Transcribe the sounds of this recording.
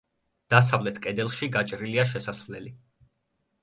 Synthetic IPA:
d̪̥as̬avlɛt̪ʰkʼɛd̪ɛlˠʃiɡat͡ʃʼɾiliaʃ̬ɛsasvlɛli

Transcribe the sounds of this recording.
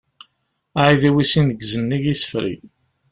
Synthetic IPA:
aʕiðiwisinəɡzənːiʝisə̥fɾḭ

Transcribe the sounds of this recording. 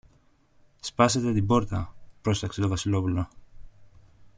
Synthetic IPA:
spɐset̪e̞t̪ibo̞ɾt̪ɐpɾo̞st̪ɐkset̪o̞vɐsilo̞pulo̞

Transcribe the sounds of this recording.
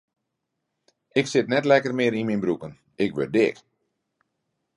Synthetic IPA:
ɪksɪtnɛtlɛkərmɪəɾinminbɾukən | ɪkʋø̰r̚dɪ̰k

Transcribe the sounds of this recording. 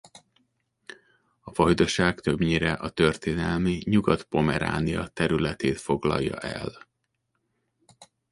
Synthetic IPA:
ɒfɒjd̪o̞ʃaːkt̪ø̞bɲeːɾɛʔɒt̪ø̞rt̪eːnɛlmiɲuɡɒt̪po̞mɛɾa̰ːniɒt̪ɛɾylɛt̪eːt̪fo̞ɡlɒ̰jːɒ̰ʔɛl

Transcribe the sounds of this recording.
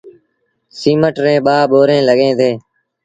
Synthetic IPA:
siːməʈɾẽːɓaːɓoːɾẽːləɠẽːt̪eː

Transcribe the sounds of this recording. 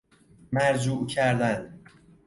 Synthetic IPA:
mæɾd͡ʒuːʔcʰæɾd̪æn

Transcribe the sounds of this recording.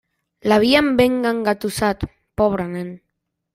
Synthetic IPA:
laβ̞iambeŋɡaŋɡat̪usat̪ | poβ̞ɾanen

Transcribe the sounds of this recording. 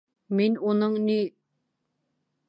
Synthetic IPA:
minunɤɴni

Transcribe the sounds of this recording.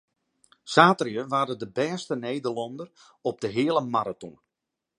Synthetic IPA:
saːtriəʋaːdədəbɛːstənejdərlɔndər | ɔb̚dəɦɪːlˠəmaɾatɔ̰n

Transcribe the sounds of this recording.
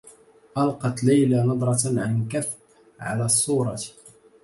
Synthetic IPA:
ʔɑlqɑt̪lajlanɑd̪ˤɾˤɑt̪nʕankaf | ʕa̰læːsˤːuːɾˤɑ

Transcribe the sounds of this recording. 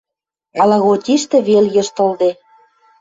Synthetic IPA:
ɑlɑɣotʲiʃt̪ĕβeljɤ̆ʃt̪ɤ̆ld̪e

